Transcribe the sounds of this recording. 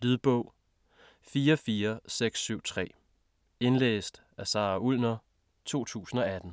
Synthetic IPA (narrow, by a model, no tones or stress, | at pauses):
lyðˠb̥ɔʊ̰ | fiːɐfiːɐseɡ̥sːyʊ̰t͡sʰʁɛ̰ː | e̝nlḛːsd̥ | æsɑ̈ːʔulnɐ | t͡sʰo̝̰ːt͡sʰṵːsn̩ɒ̽æd̥n̩